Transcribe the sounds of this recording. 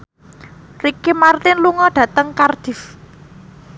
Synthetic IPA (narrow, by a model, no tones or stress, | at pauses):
rikimart̪ɪnluŋɔɖ̥ä̤t̪əŋkard̪̥i̤f